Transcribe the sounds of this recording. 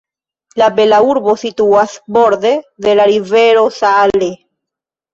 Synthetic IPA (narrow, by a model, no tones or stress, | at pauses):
labelauɾbo̞situasbo̞ɾd̪ed̪elaɾiveɾo̞sale